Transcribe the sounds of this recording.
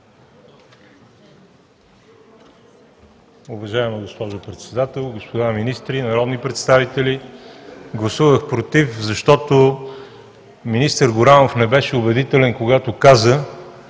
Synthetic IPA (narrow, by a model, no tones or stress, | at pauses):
ʊvɐʒaɛməɡospɔʒopɾɛt̪sɛd̪at̪ɛlˠɡospod̪aminist̪ɾinɐɾɔd̪nipɾɛt̪st̪avit̪ɛli | ɡlˠɐsuvəxpɾot̪ifzɐʃt̪ɔt̪o | minist̪əɾɡʊɾanofnɛbɛʃɛʊbɛd̪it̪ɛlɛnkoɡat̪okazə